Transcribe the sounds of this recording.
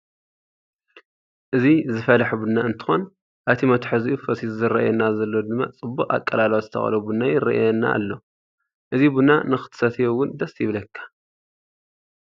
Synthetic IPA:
ʔɨzizɨfɐlɐħbunːaɨnt̪ʰɨ̥xo̞n | ʔaβt̪ʰimɐt̪ʰħɨziʔufɐsizzɨɾɐ̰ʔjɛnːazɐlːod̪ɨmːa̰t͡sʼɨbːukʼa̰kʼːɐlalwozɨt̪ʰɐ̰xɐ̰lɐbunːajɪrɐ̰ʔjɛnːa̰ːlːo̞ | ʔɨzibunːa̰nɨxɨ̥t̪ʰɨ̥sɐt̪ʰijowʊnd̪ɐsjɪβlɐkʰːḁ

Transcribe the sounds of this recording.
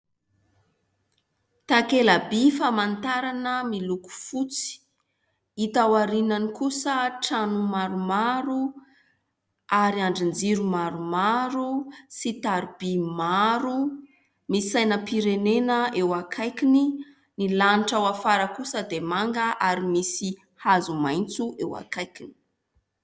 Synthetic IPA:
t̪akelabifamant̪aɾanəmiluku̥fut͡si̥ | it̪awaɾinanikusəʈ͡ʂanumaɾumaɾu | aɾiaɳɖ͡ʐind͡ziɾumaɾumaɾusit̪aɾibimaɾu | misisajnəpiɾenenəewakʰajkini | nilaniʈ͡ʂawafaɾəkusəd̪emaŋɡəʔaɾimisi | hazumajnt͡suʔewa̰kajkini̥

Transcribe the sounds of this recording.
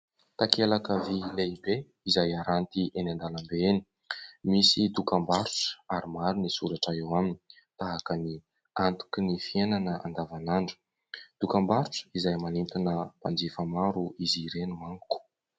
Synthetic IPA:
t̪akelakəvileibe | izajaɾant̪iʔenand̪alambeeni̥ | misid̪ukambaɾuʈ͡ʂə̥aɾimaɾunisuɾaʈ͡ʂaewaminii̥ | t̪aɦakəni | ant̪u̥kinifienanəa̰nd̪avanaɳɖ͡ʐu̥ | d̪̥ukambaɾuʈ͡ʂə̥izajmanint̪inəpand͡zefəmaɾuiziɾenumaŋuku̥

